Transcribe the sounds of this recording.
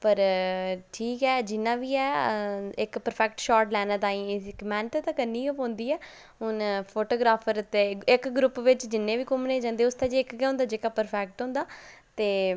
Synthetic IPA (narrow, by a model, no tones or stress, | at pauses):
pəɾʈʰiːkɛːd͡ʒɪnːãːʋiːɛː | ɪkpəɾpʰɛːk̚ʈʃɔːɾʈlɛːnãːt̪ãːĩːɪkmɛːnt̪eːt̪ãːkənːiːopõːnd̪iːɛː | ɦʊnpʰoːʈoːɡɾaːpʰəɾt̪eːɪkɡɾʊpʋɪt͡ʃd͡ʒɪnːẽːʋiːkʊmnẽːd͡ʒãːnd̪eːʊst̪ãːd͡ʒiːɪkɡɛːʊ̃nd̪aːd͡ʒeːkaːpəɾpʰɛːk̚ʈɦõːnd̪aː | t̪eː